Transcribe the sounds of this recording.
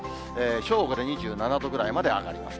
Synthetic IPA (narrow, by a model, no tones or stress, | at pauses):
eːɕo̞ːɡod̪e̞ɲ̟iʑɨːnanad̪o̞ɡɯ̟ɾaimad̪e̞a̰ɡa̰ɾʲima̰s